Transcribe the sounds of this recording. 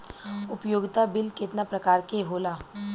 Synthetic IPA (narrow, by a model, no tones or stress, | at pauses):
ʊpjoːɡt̪abɪlkɪt̪napɾɐkaːɾkeɦoːlaː